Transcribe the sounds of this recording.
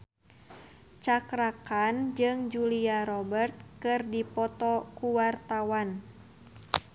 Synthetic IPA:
t͡ʃakɾakand͡ʒɨŋd͡ʒuliaɾɔbərt̪̚kɨrdipɔt̪ɔkuwart̪awan

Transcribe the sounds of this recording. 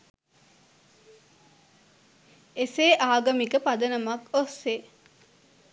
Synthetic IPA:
eseːʔaːɡɐmikəpad̪ənɐmakosːe

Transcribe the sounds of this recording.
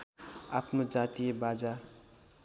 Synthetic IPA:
apnod͡zat̪ijebad͡za

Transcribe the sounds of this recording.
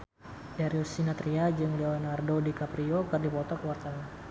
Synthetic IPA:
daɾiɔsinat̪ɾiad͡ʒɨŋlɛɔnardodikapɾiokɨrdipɔt̪ɔkəwart̪aŋa

